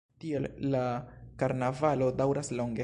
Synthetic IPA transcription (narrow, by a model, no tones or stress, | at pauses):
tielːakaɾnavalo̞dawɾaslo̞ŋɡe